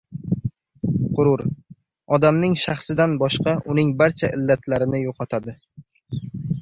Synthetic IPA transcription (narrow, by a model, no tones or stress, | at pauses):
qʰʊɾʊɾ | ɒd̪amnɪŋʃɑχsɪd̪anbɒʃqɑʔʊnɪŋbaɾt͡ʃʰaʔɪlːat̪ʰlaɾɪnɪjoqʰɒt̪ʰad̪ɪ